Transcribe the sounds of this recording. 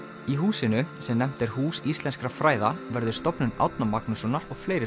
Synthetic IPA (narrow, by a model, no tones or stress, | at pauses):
iɦuːsɪnʏsɛmnɛm̥t̪ɛɾ̥huːsist̪ɛnskɾafɾaːjðavɛɾðʏ̥st̪ɔpnʏna̰wt̪namaknʏsɔnːaɾɔɣfleːjɾɪ